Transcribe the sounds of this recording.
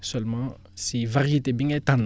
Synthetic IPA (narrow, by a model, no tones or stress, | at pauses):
sœlmɑ̃ | sivaʁjet̪ebĩŋɛt̪ãn